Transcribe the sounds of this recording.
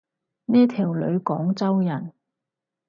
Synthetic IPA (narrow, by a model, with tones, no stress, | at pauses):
nɛː˥t̪ʰiː˨˩wlɵ̰˨˧ɥkɔː˨˥ŋt͡sɐ˥wjɐ˨˩n